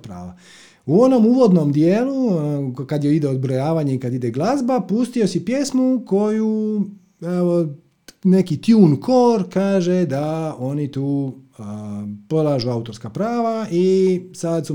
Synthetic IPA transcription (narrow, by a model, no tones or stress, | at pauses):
pɾa̰ːʋa | uo̞no̞muʋo̞d̪nomd̪jeːlukad̪jeid̪eod̪bɾojaːʋaːɲeikad̪id̪eɡlˠazbapust̪io̞sipje̞smuko̞ju | eo | ne̞kit̪juːnkʰo̞ːɾkaːʒed̪ao̞nit̪uː | polˠaːʒuaut̪o̞ɾskapɾaːʋaʔisad̪su